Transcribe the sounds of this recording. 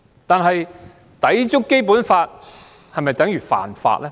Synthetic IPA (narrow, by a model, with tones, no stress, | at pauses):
t̪aː˨nɦɐ˨j | t̪ɐ˨˥jt͡ʃʊ˥kːe˥jp̬uː˨˥nfaː˧t̚ | hɐ˨jmɐ˨jt͡sɐ˨˥ŋjyː˨˩fa̰ː˨˩nfa̰ː˧t̚lʔɛː˥